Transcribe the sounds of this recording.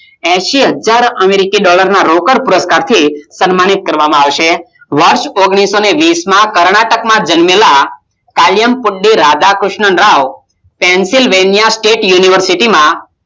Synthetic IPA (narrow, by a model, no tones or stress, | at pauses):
ɛʃiɦəd͡ʒaɾəmeɾikiɖɔləɾnaɾokəɾpʊɾəskaɾt̪ʰisənmañit̪̚kəɾʋamãaʋʃe | ʋəɾʃoɡɽ̃isoneʋismãkəɾɳaʈəkmãd͡ʒənmela | kaljəmpʊɖiɾad̪akɾʊʃɳənɾaʋ | pɛ̃nsilʋenijasʈeʈjuniʋəɾsiʈimã